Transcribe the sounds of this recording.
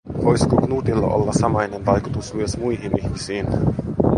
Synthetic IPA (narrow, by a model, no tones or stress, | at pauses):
ʋojskuknuːt̪ilːɑ̰ʔo̰lːɑsɑmɑjnenʋɑjkut̪usmyøsmujɦiniçmisiːn